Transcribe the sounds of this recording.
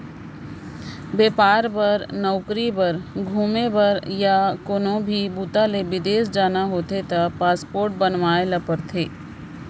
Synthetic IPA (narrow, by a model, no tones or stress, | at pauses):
beːpaːɾpɐɾnɔʊkɾibɐɾɡʱuːmebɐɾjakoːnõbʱibuːt̪alebɪd̪eːsd͡ʒaːnaɦoːt̪et̪apaːspoːɾʈ̚bɐnʋaːelɐpəɾt̪ʰeː